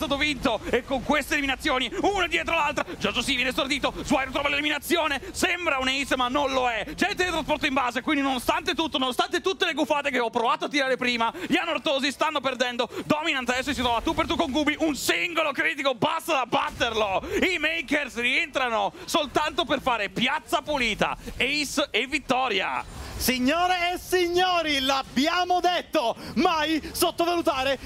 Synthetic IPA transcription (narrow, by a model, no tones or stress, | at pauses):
st̪aːt̪̬ovint̪oekːoŋkwest̪eliminat̪sːjoːniunad̪jɛːt̪ɾolalt̪ɾad͡ʒɔzosivjɛnest̪ord̪iːt̪ozwajɾot̪ɾɔvaleliminat̪sːjoːnesɛmbɾauneisemanːonloɛd͡ʒɛnt̪ed̪it̪ɾaspɔrt̪oimbaːzekwind̪inonost̪ant̪et̪ut̪ːononost̪ant̪et̪ut̪ːeleɡufaːt̪ekeɔpːɾovaːt̪oat̪ːiɾaːɾepɾiːmaʎianːort̪oːzist̪anːoperd̪ɛnd̪od̪ɔminant̪aɛs̬osit̪ɾɔvat̪ːupːeɾrt̪ukːoŋɡuːbiʔunsiŋɡolokɾiːt̪ikobast̪ad̪abːat̪ːerloimejkersrient̪ɾanosolt̪ant̪operfaːɾepjat̪sːapuliːt̪a̰eisevːit̪ːɔːɾja̰siɲːoːɾeːsiɲːoːɾilabjaːmod̪et̪ːomajsot̪ːovalut̪aːɾe